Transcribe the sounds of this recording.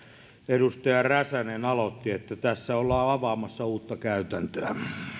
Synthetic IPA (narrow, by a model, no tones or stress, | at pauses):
edust̪ɑjɑræsænenɑlot̪ːiet̪ːæt̪æsːæolːɑːɑʋɑːmɑsːɑuːt̪ːɑkæyt̪ænt̪øæ